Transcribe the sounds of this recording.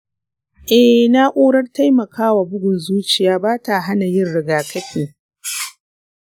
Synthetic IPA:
ʔɛ˨na˦ʔʷoː˦ɽɐ˦rta˦jmɐ˨kʰaː˦wa˨bʊ˦ɡʷʊ˨nzuː˦t͡ʃɪ˨jaː˨˦baː˦ta˨ɦa˦na˨jɪ˦nɽɪ˨ɡaː˨kʰɐ˦ɸʰiː˨ŋ

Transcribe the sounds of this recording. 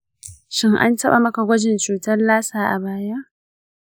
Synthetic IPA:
ʃɪ˦ŋʔa̰˦ntɐ˦ɓa˨mɐ˦ka˨ɡʷɐ˦d͡ʒɪ˨nt͡ʃuː˨tɐ˦rlaː˦saː˨ʔa̰˨baː˦ja˦ʔ

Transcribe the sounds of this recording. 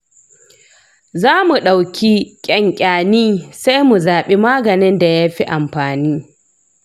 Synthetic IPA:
zaː˦mu˨ɗa˨wkʲi˦kʲʼɛ˦ŋkʲʼaː˨niː˦sa˦jmu˨zaː˨ɓe˦maː˦ɡɐ˨nɪ˦nda˨jaː˦ɸi˦ʔa˨mɸaː˨niː˦

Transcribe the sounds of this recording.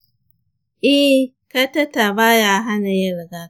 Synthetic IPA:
ʔɛ˦ | ka˦ta˦ta˨ba˦jaː˦ɦa˦na˨jɐ˦ɾɡa˦˨

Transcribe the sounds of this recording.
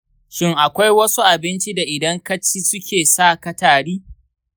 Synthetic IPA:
ʃɪ˦ŋʔa˨kʷa˦jwɐ˦su˦ʔa˨bɪ˦nt͡ʃi˦da˨ʔɪ˨dɐ˦ŋkɐ˦t͡ʃi˦sʊ˦kʲeː˨saː˦˨kɐ˦taː˨ɽiː˦

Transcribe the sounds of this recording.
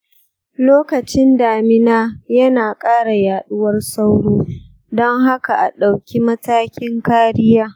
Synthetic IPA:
loː˦kɐ˨t͡ʃɪ˦ndaː˨mɪ˦naː˦jɐ˦naː˨kʼaː˦ɽa˨jaː˨ɗʊ˦wɐ˦rsa˦wɽoː˦ | dɔ˦ŋɦa˦ka˨ʔa˨ɗa˨wkʲi˦mɐ˦taː˦kʲɪ˦ŋkaː˦ɽɪ˦jaː˦

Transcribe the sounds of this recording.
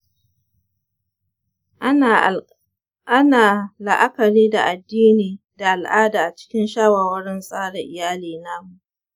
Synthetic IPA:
ʔa˦naː˨lɐ˨ʔa˦kɐ˨ɾiː˦da̰˨ʔa˨dːiː˦niː˨ | da˨ʔa˨lʔaː˦daː˨ʔa˨t͡ʃɪ̥˦kʲɪ˦nʃaː˦waː˨wɐ˦ɽɪ˦nsʼaː˦ɽa˨ʔɪ˨jaː˦liː˨naː˦mu˨ʔʔ

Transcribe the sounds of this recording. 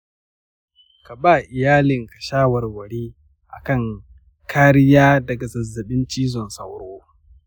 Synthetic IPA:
ka˨baː˦˨ʔɪ˨jaː˦lɪ˨ŋkɐ˨ʃaː˦wɐ˨rwɐ˨ɽiː˦ | ʔa̰˨kɐ˦˨ŋ | kaː˦ɾɪ˦jaː˦dɐ˨ɡa˨zɐ˨zːɐ˨ɓɪ˦nt͡ʃiː˦zɔ˨nsɐ̰˨wɽoː˦

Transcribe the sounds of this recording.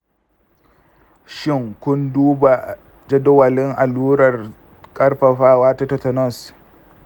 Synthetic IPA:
ʃɪ˦ŋkʷʊ˦nduː˦ba˨ | d͡ʒɐ˦dʊ˦wɐ˨lɪ˦ŋʔa˨luː˦ɾɐ˨r | kʼɐ˦rɸa˨ɸaː˦waː˦ta˦tɐ˨tɐ˨nɔ˦˨s

